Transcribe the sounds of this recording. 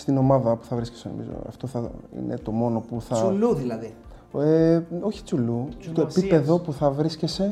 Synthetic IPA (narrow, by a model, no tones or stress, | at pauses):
st̪ino̞mɐðɐpu̥θɐvɾisceseno̰mḭzo̰ɐ̰ft̪o̞θɐḭne̞̰t̪o̞mo̞no̞puθɐluilɐi | eo̞çi̥t͡sulut̪oepipe̞ðo̞puθɐvɾiscese̞